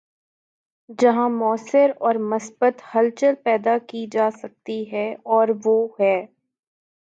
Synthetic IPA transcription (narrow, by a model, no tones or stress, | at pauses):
d͡ʒɐɦãmɔːsɪɾɔːɾmɐsbət̪hɐlt͡ʃəlpɛːd̪akid͡ʒaːsɐk̚t̪iɦɛɔːɾʋoːɦɛː